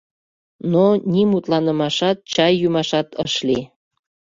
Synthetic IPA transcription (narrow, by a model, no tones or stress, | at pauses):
nonʲimut̪lɑnəmɑʃɑt̪̚t͡ɕɑjːumɑʃɑt̪əʃli